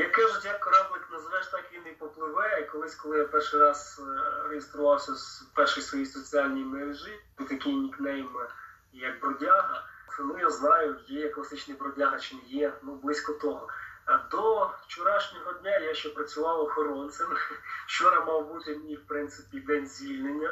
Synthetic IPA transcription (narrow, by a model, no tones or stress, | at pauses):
jɐkɛʒʊtʲjakɔɾɑblˠɪknɐzɐʋɛʃt̪ɑkʋʲinipɔplˠɪʋɛikɔlˠɪsʲkɔlˠɪjapɛrʃɪjɾɑz̥ɾejest̪ɾʊʋɑwsʲɐzpɛrʃijsʋɔjijsɔt͡sʲiɑlʲnʲijmeɾeʒɪd̪ʊt̪ɐkʲijnʲiknɛjm | jɐkbɾɔdʲaɦɐt̪nujaznɑjʊjɛjɐklˠɐsɪt͡ʃnɐjbɾɔdʲaɦɐt͡ʃɪnɪjɛnublˠɪsʲkɔt̪ɔɦɔd̪ɔt͡ʃɔɾɑʃnʲɔɦɔdʲnʲajaʃt͡ʃɛpɾɐt͡sʲʊʋɑwɔxɔɾɔnt̪sɛmʃt͡ʃɔɾɐmɑwbut̪ʲɔdʲiwpɾɪntsɪ̥pʲid̪ɛnʲzʲʋʲilʲnenʲːɐ